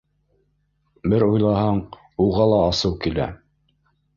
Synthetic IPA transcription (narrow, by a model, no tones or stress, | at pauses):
bɘɾujlˠɑhɑɴ | uʁɑlˠɑːsɤwkilæ̰